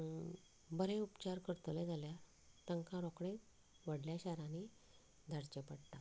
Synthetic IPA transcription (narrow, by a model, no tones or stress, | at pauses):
bəɾeupt͡ɕaɾkəɾt̪led͡zalja | t̪əŋkãɾɔkɽe | ʋəɽljaɕaɾãni | d̪ʱəɾt͡ɕəpəɽt̪a